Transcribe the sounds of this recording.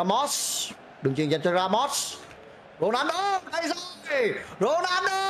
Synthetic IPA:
a˧mɔ˦˥ts | ɗɨ˨˩ŋt͡ɕi˧˨ŋza˧˨nt͡ɕɔ˧zaː˧mɔ˦˥t̚s | zo˧naː˨˦nʔəː˧ɗə˧˩jzɔ˨jzo˧nʔaː˧˦nʔə˧

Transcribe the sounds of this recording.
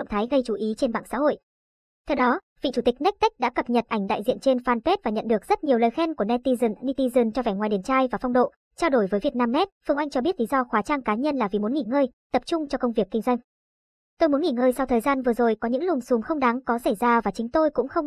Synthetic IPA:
ŋ͡mt̪ʰaː˨˦jɣə˧jt͡ɕu˨˩˦ʔi˨˦t͡ɕe˧nɓa̰ː˧˨nsa̰ː˧˥ho̰˧˨j | t̪ʰɛ˧wɗɔ˨˦ | vḭ˧˨t͡ɕu˧˩t̪ï˨˩k̟̚n˦˥k̟̚t̪k̟̚ɗa̰ː˧˥kə˨˩p̚ɲə˨˩t̚ʔa˧˩jŋ̟ɗa̰ː˧˨jzḭ˧˨ənt͡ɕe˧nfaː˧npe˦˥t̚vaː˨˩ɲə̰˧˨nɗɨ˨˩ək̚z̥ə˦˥t̚ɲi˨˩əwləː˨˩jxɛ˧nku˧˩ənɛ˧t̪i˧zni˧t̪i˧zɨ˨˧˩nt͡ɕɔ˧vɛː˧˩ŋwaː˨˩jɗe˨˩nt͡ɕaː˧jvaː˨˩fa˧wŋ͡mɗo̰˧˨ | t͡ɕaː˧wɗo˧˩jvəː˨˦jvi˨˩ət̚naː˧mnɛ˦˥t̚fɨ˧əŋʔa˧jŋ̟t͡ɕɔ˧ɓi˦˥ət̚li˨˦zɔ˧xwaː˨˦t͡ɕaː˧ŋkaː˨˦ɲə˧nlaː˨˩vi˨˩mu˨˦nŋi˧˩ŋəː˧jt̪ə˨˩p̚t͡ɕʊ˧ŋ͡mt͡ɕɔ˧kə˧wŋ͡mvi˨˩əkːï˧ŋ̟zwa˧jŋ̟ | t̪o˧jmu˨˦ŋi˧˩ŋəː˧jsa˧wt̪ʰəː˨˩jzaː˧nvɨ˨˩əzo˨˩jkɔ˨˦ɲɨ̰˧˥ŋlʊ˨˩ŋ͡msu˨˦ŋ͡mxə˧wŋ͡mɗa˨˦ŋkɔ˨˦sə˧˩jzaː˧vaː˨˩t͡ɕï˨˦ŋ̟t̪o˧jkʊ̰˧˥ŋ͡mxə˧wŋ͡m

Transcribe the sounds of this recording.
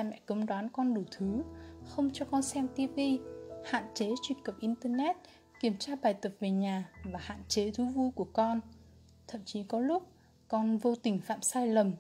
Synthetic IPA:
mɛ̰˧˨kə˨˦ŋ͡mɗwaː˨˦nkɔ˧nɗu˧˩t̪ʰɨ˨˦xə˧wŋ͡mt͡ɕɔ˧kɔ˧nsɛ˧mt̪i˧pvi˧ha̰ː˧˨nt͡ɕe˨˦t͡ɕwi˧˩əkə˨˩p̚ʔi˧nt̪əː˧nɛ˦˥t̚ | ki˧˩əmt͡ɕaː˧ɓaː˨˩jt̪ə˨˩p̚ve˨˩ɲaː˨˩vaː˨˩ha̰ː˧˨nt͡ɕe˨˦t̪ʰu˨˦vu˧jku˧˩əkɔ˧n | t̪ʰə̰˧˨mt͡ɕi˨˦kɔ˨˦lʊ˦˥k͡p̚ | kɔ˧nvo˧t̪ï˨˩ŋ̟fa̰ː˧˨msaː˧jlə˨˩m

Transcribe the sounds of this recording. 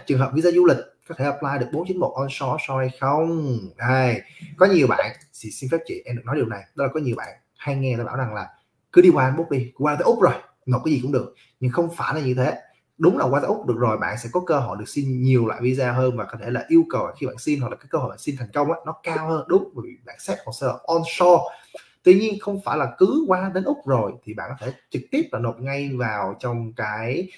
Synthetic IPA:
t͡ɕɨ˨˩ŋɦəː˨˩p̚vi˧zaː˧zu˧lï˨˩k̟̚kɔ˨˦t̪ʰe˧˩ʔəː˧˩p̚laː˧jɗɨ˨˩ək̚ɓo˨˦nt͡ɕi˨˦ŋ̟mo̰˨˩t̚ʔɔ˧nsɔ˨˦sɔ˧jxə˧wŋ͡mɗə˧jkɔ˨˦ɲi˨˩əwɓa̰ː˧˨n | sḭ˧˩si˧nfa˦˥p̚t͡ɕḭ˧˨nʔɛ˧mɗk̚nɔ˨˦jɗi˨˩əwna˨˩jɗɔ˨˦laː˨˩kɔ˨˦ɲi˨˩əwɓa̰ː˧˨n | ha˧jŋɛ˧aː˧˨˩ɓaː˧˩wza˨˩ŋlaː˨˩ | kɨ˨˦ɗi˧kwaː˧ʔmɓo˦˥k͡p̚ɗi˧˦waː˧a˨˦ʔʊ˦˥k͡p̚zo˨˩j | mo˨˩kaː˨˦zi˨˩kŋ͡mɗɨ˨˩ək̚ | ɲɨ˧ŋxə˧wŋ͡mfaː˧˩jlaː˨˩ɲɨ˧t̪ʰe˨˦ | ɗʊ˨˦ŋ͡mlaː˨˩wa˧aː˨˦ʔʊ˦˥k͡p̚ɗɨ˨˩ək̚zo˨˩jɓa̰ː˧˨nsɛ̰˧˥kɔ˨˦kəː˧ɦo̰˧˨jɗɨ˨˩ək̚si˧nɲi˨˩əwlwa̰ː˧˨jvi˧zaː˧ɦəː˧nvaː˨˩kɔ˨˦t̪ʰe˧˩la̰ː˨˩ʔi˧əwkə˨˩waː˨˩xi˧ɓa̰ː˧˨nsi˧nhw̚laː˨˩aː˨˦kə˧ho̰˧˨jɓaː˨˩si˧nt̪ʰɛ˨˩jŋ̟kə˧wŋ͡mʔaː˨˧˦nɔ˨˦kaː˧whəː˧nɗʊ˨˦ŋ͡mvo˨˧˦vḭ˨˩ɓa̰ː˧˨nsɛ˦˥t̚kɔ˨˩nsɛ˧˨˩ʔɔ˧nsɔ˧t̪wi˧ɲi˧ənxə˧wŋ͡mfaː˧˩jlaː˨˩kɨ˨˦kwaː˧ɗe˨˦nʔʊ˦˥k͡p̚zo˨˩jt̪ʰi˨˩ɓa̰ː˧˨nkɔ˨˦t̪ʰe˧˩t͡ɕɨ˨˩k̚t̪i˦˥əp̚laː˨˩no˨˩t̚ŋa˧jvaː˨˩wt͡ɕɔ˧wŋ͡mkaː˨˦j

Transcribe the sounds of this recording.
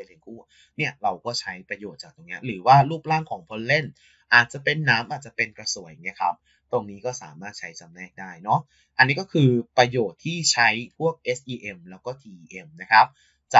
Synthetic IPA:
jle˧˥˩nkuː˥˩ | ni˥˩ɐɾa˧wkɔː˥˩t͡ɕʰa˦˥jpɾa˧joː˨˩t̪̚t͡ɕaː˨˩k̚t̪o˧ŋni˦˥ɐɾɯː˩˦waː˥˩luː˥˩p̚laː˥˩ŋkʰɔː˩˦ŋpʰo˦˥nle˥˩n | ʔaː˨˩t̪̚t͡ɕa˨˩pe˧nːaː˦˥mʔaː˨˩t͡ɕa˨˩pe˧nkɾa˧su˩˦ja˨˩ŋi˦˥ɐkʰa̰˦˥p̚ | t̪o˧ŋniː˦˥kɔː˥˩sa̰ː˩˦maː˥˩t̪̚t͡ɕʰa˦˥jtʰa˧mnɛː˥˩k̚daː˥˩jnɔ˦˥ | ʔa˧nːiː˦˥kɔː˥˩kʰɯː˧pɾa˧joː˨˩t̪ʰːiː˥˩t͡ɕʰa˦˥jpʰu˥˩ək̚ʔe˦˥sʔiː˧ʔe˧mlɛː˦˥wkɔː˥˩t̪ʰiː˧ʔːʔe˧mna˦˥kʰa˦˥p̚ | t͡ɕa˨˩

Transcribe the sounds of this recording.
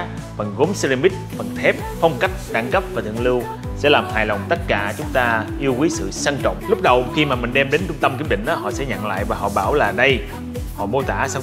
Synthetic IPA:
fə˨˩nɣo˨˦msə˧li˧mi˦˥t̚fə˨˩nt̪ʰɛ˦˥p̚fɔ˧wŋ͡mka˦˥jk̚ɗa˧˩ŋkə˦˥p̚vaː˨˩t̪ʰɨ̰˧˨əŋlɨ˧w | sɛ̰˧˥laː˨˩mhaː˨˩jla˨˩wŋ͡mt̪ə˦˥t̚kaː˧˩t͡ɕʊ˨˦ŋ͡mt̪aː˧ʔi˧əwkwi˨˦sɨ̰˧˨sə˧nt͡ɕɔ̰˧˨wŋ͡mlʊ˦˥k͡p̚ɗə˨˩wxi˧maː˨˩mï˨˩ŋ̟ɗɛ˧mɗe˨˦nt͡ɕʊ˧ŋ͡mt̪ə˧mki˨˦əmɗï˧˨ŋ̟ʔɔː˨˦hɔ̰˧˨sɛ̰˧˥ɲə̰˧˨ŋla̰ː˧˨jvaː˨˩ɦɔ̰˧˨ɓaː˧˩wlaː˨˩ɗə˧j | hɔ̰˧˨mo˧t̪aː˧˩sa˧w

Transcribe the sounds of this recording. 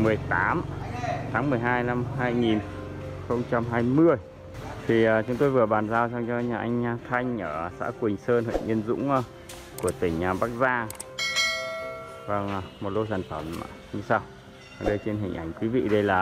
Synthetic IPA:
mɨ˨˩əjt̪aː˨˦mt̪ʰaː˨˦ŋmɨ˨˩əjɦaː˧jla˧mɦaː˧jŋi˨˩n | xə˧wŋ͡mt͡ɕa˧mɦaː˧jmɨ˧əj | t̪ʰi˨˩ə˨˩t͡ɕʊ˨˦ŋ͡mt̪o˧jvɨ˨˩əɓaː˨˩nzaː˧wt͡ɕɔ˧ŋ͡mt͡ɕɔ˧ɲaː˨˩ʔa˧jŋ̟˧t̪ʰa˧jŋ̟ʔəː˧˩sa̰ː˧˥kwï˨˩ŋ̟səː˧nhə̰˧˨jʔi˧ənzʊ̰˧˥ŋ͡m | ku˧˩ət̪ï˧˩ŋ̟˨˩ɓaː˦˥k̚zaː˧ | vaː˨˩ŋ˨˩mo˨˩t̚ɗo˧saː˧˩nfə˧˩m˨ | ɲɨ˧saː˧w | a˨˩ɗə˧jt͡ɕe˧nɦï˨˩ŋ̟ʔa˧˩jŋ̟kwi˨˦vḭ˧˨ɗə˧jlaː˨˩

